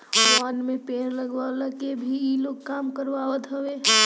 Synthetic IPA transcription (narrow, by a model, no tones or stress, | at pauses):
wanmẽpeːnləɡʋalakebʱiiloɡkaːmkəɾʋaʋət̪ɦəʋeɦ